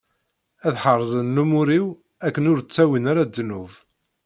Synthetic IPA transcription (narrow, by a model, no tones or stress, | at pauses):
æðħərˤːzˤənːumʊɾiw | ækːənʊɾt͡sːæwinaɾad̪ːnuv